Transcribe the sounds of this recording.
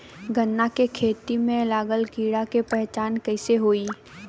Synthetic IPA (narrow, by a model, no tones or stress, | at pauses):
ɡʱənːakekʰeːt̪imẽlaːɡəlkiːɽakepɛɦt͡ʃaːnkɛɪseɦoːi